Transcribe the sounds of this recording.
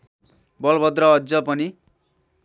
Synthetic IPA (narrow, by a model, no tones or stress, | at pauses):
bʌlbʱʌd̪rʌʌd͡zʌpʌni